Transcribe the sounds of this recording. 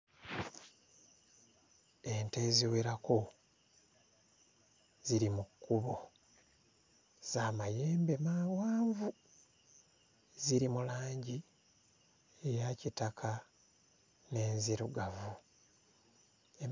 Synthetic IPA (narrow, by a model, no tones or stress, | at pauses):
e̞nte̞ziweɾako | ziɾimukːuβo | z̥aːmajeːmbe̞mawaːɱvu | ziɾimulaːɲɟi | ejacitakʰa | ne̞ːnziɾuɡavu | e